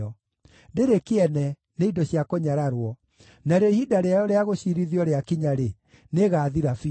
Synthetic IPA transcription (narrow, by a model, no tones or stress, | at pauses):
ɔ | ndeɾekeɛnɛ | neidɔɕiakoɲaɾaɾwɔ | naɾeɔihidaɾeajɔɾeaɣoɕiɾiðiɔɾeakiɲaɾe | neɣaːðiɾafi